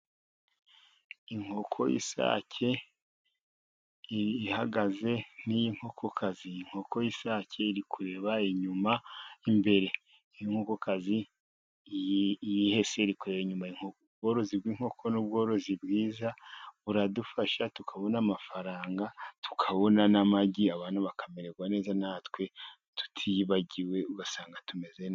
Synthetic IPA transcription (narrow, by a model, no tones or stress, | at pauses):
iŋ̥ho̞kʰo̞̰jʔḭsa̰ːcʰe̞ | haɡaze̞nijiŋ̥ho̞kʰo̞kʰazijiŋ̥ho̞ko̞jisaːcʰe̞iɾikuɾe̞βaiɲumaimbe̞ɾe̞ | ijiŋhokokazi | jjihe̞se̞iɾikuɾe̞βaiɲumaiiŋo | bɡo̞ːɾo̞zibɡiːŋ̥ho̞kʰo̞nuβɡo̞ːɾo̞zibɡiːzaβuɾadufaʃatukʰaβo̞namafaɾaːŋɡatu̥kʰaβo̞nanamaɟiaβaːnuβakameɾe̞ɡwane̞ːzanaːtwe̞ | tu̥tʰiβaɟiwe̞uɡasaːŋɡatume̞zen